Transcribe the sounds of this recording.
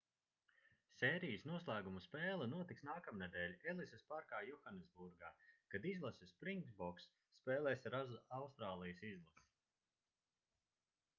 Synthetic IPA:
sʲɛːɾijəsnuɔslˠæːɡumuspɛːlˠɐnuɔt̪iksnaːkamnɛd̪ɛːlʲelˠisespaɾkaːjuxanezbuɾɡaːkad̪izlˠasɨspɾiŋɡzbɔksː | pɛːlˠɛːsɾazawst̪ɾaːlˠijəsizlˠas

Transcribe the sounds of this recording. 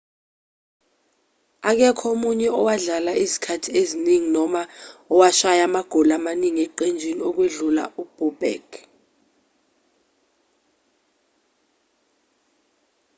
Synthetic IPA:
ak̬ɛkʰomuɲɛɔwaɮalaʔizikʰatʰieziniŋinɔmaɔwaʃajamaɡ̥ʱɔlamaniŋiɛǃend͡ʒʱiniɔk̬weɮula̰ub̥ub̥ɛ̰k

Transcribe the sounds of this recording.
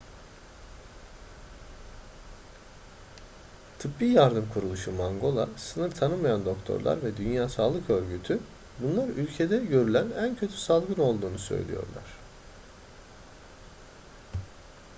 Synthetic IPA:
t̪ʰɯpbiːjaɾd̪ɯmkʰuɾulˠuʃumaŋɡo̞lˠa̰sɯnɯɾt̪ʰanɯmajand̪o̞kt̪ʰo̞̰ɾlˠa̰ɾvɛd̪ynjaːsaːlˠɯkø̞ɾɟyt̪ʰy | bunlˠaɾylʲcʰe̞d̪ɛɟø̞ɾylʲænæncʰø̞t̪ʰy̥salˠɡɯno̞lˠd̪uːnusø̞̰jlʲḭjo̞̰ɾlˠa̰ɾ̝̥

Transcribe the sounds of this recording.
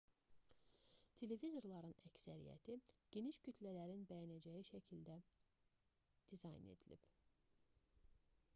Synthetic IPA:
t̪ʰe̞le̞vizo̞ɾlˠɑɾɯnæcsæɾḭjæ̰t̪ʰiɟ̥e̞niʃɟyt̪ʰlælæɾinbæjænæd͡ʒæjiʃæcʰild̪æ | d̪̥izɑjne̞̰d̪ilḭb̥

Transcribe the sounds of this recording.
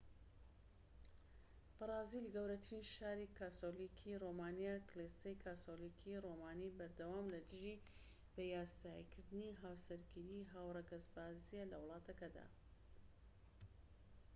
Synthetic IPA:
b̥ɨrɑːzilɨɡəwɾɐt̪ɾinʃaːɾikaːt̪olikʰiromaːnijaklest̪ejkʰaːsolikʰiroːmaːnibɐɾd̪ɐwaːmlɐd̪ɨʒi | b̥ɐjaːsaːjḭkʰɨɾd̪ɨniɦaːwsɐɾɡiɾiɦaːwrˤɐɡɐzbaːzijelɐ̰wlˠɑːt̪ʰɐkɐd̪a̰ː

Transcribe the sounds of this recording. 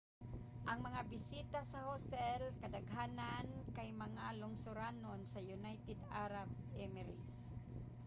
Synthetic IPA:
ʔɐŋmɐŋabɪsiːt̪asɐhost̪ɛlkɐd̪aɡɦaːnankajmɐŋalʊŋsʊɾaːnonsɐjʊnajt̪ɛd̪aɾab̚ | ɛmɛɾḭs

